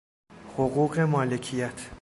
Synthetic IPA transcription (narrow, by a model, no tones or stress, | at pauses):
hoɣuːɢe̞mɒːlecʰijæt̪ʰ